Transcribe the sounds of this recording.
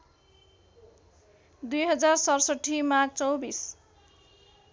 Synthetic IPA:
d̪ujɦʌd͡zarsʌrsʌʈʰːimaɡ̚t͡sʌwbis

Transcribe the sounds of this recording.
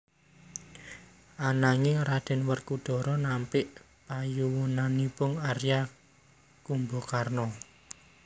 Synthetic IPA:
ʔanaŋeɾad̪̥ɛ̤nwərkud̥ɔ̤ɾɔnampɪʔ | pajuwunanipʊŋarja | kumbɔkarnɔ

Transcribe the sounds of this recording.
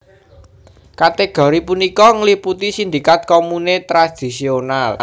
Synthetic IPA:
kat̪eɡ̥ɔ̤ɾipunikɔŋliput̪isind̪ikat̪̚kɔmunet̪ɾad̪̥i̤sional

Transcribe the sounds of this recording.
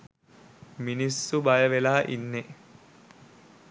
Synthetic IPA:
minisːubajəʋelaːʔḭnːe

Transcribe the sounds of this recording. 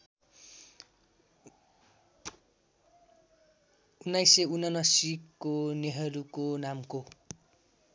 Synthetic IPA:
unːajseunʌnʌsikːoneɦʌɾukonamko

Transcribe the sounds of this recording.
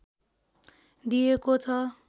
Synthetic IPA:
d̪ijekot͡sʰʌ

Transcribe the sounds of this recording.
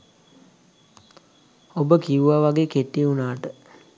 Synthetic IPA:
obəkiuʋaʋaɡeːkeʈːiunaːʈə

